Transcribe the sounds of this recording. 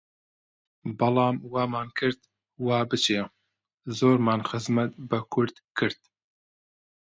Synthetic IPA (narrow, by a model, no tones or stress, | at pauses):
bɑlˠɑːmwɑːmaːnkʰɨɾd̪ | wɑːbɨt͡ʃʰeː | zoːɾmaːnxɨzmɐt̪bɐkʰʊɾd̪̥kʰɨɾd̪̥̚